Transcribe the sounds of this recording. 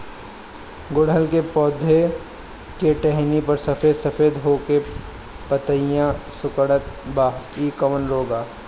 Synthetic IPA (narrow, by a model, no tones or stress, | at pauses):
ɡʊɽ̤əlkepɔːd̪ʱe | keʈɛɦnipɐɾsɐfeːd̪sɐfʰeːd̪ɦoːke | pət̪əijãsʊkəɽət̪̚baːɦiːkəʋənɾoːɡaː